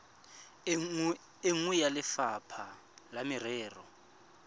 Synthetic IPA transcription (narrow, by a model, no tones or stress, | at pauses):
eŋujalɪfapʰa | lamɪrɛːrɔ